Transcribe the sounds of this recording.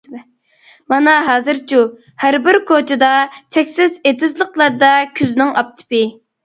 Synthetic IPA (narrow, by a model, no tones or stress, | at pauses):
mɑnɑɦɑːzɨɾt͡ʃʰu | hæɾbɪɾkʰot͡ʃʰɪd̪ɑt͡ʃʰɛkʲsɪzet̪ʰɪzlˠəqlˠɑɾd̪ɑkʲʰyznɪŋɑp̚t̪ʰɨ̥pɨ